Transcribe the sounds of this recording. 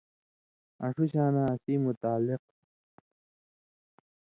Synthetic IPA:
ɐ̰̃ʂuɕaːnaːsimut̪aːlːɪq̚

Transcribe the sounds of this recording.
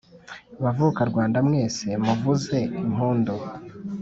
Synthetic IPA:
βavukaɾɡwaːndamŋe̞ːse̞muvuze̞imɦuːndo

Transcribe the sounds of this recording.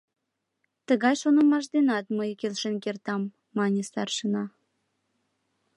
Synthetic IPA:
t̪əɣɑjʃonə̆mɑʃ̬d̪enɑt̪məjkelʃenkert̪ɑmː | ɑnʲesɑrʃənɑ

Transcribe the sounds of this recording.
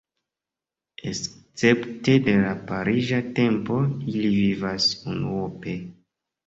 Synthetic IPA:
es | t͡se̞pte̞de̞lapaɾiʒate̞mpo̞ilivivasunuope̞

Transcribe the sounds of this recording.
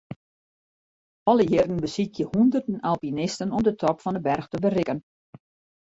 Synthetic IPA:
ɔlˠəjɪrdn̩bəsitjəhundərdənalˠpinɪstənɔmdətʰɔpfɔndəbɛrxtəbərɪkən

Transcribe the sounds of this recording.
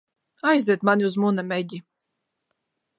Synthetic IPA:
ajzʲɛːt̪manʲiuzmunamʲɛjd̪ʲi

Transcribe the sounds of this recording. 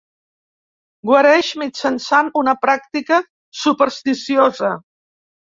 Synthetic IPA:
ɡwəɾɛʃmit͡ʃənsanunəpɾak̚t̪ikə | supəɾst̪isiozə

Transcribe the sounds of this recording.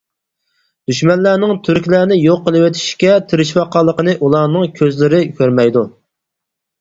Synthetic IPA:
d̪̥yʃmɛnlæːnɪŋt̪ʰyɾkʲlæːnɪjoqːəlˠɨwet̪ʰi̥ʃkʲɛt̪ʰɪɾɪʃwɑqɑlˠːəqənɨʔulˠɑːnɨŋkʲʰøzlɪɾɪkʲʰøɾmɛjd̪u

